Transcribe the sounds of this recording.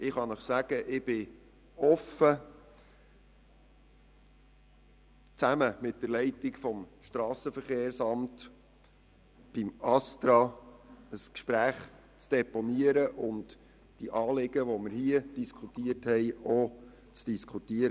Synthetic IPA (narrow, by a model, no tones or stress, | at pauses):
ɪχɑnəχsæɡəʔɪb̥ɪ | ɔfə | t͡sæməmɪt̚d̥əɾlɛɪtɪkfɔmʃtɾɑːsəfəɾχeːɾsɑmt | b̥ɪmɑst̪ɾɑ | əskʃpɾæːχ | t͡sd̥ɛpɔniəɾəʔʊnd | d̥iʔɑːlɪɡəʋomɪɾhiəd̥iskʰχutiərthɛɪo | t͡sd̥iskʰχutiəɾ